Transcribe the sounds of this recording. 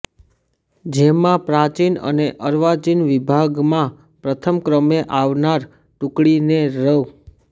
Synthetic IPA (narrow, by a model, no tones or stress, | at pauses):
d͡ʒemãpɾãt͡ʃinə̰neʔəɾʋat͡ʃinʋibʱaɡmã | pɾət̪ʰəmkɾəmeʔaʋnaɾ | ʈũkɽineɾəu